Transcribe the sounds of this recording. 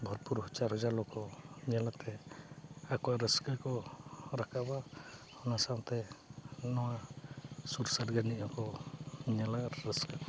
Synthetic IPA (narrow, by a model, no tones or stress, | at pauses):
bʱɔɾpuɾɦɔt͡ʃaɾɔd͡ʒalɔkɔɲɛlat̪ɛ | akɔaɾəskəkɔɾakʰaba | ɔnasaŋt̪ɛnɔwa | suɾsaɾɡaniɔkɔɲɛlaɾɾəskə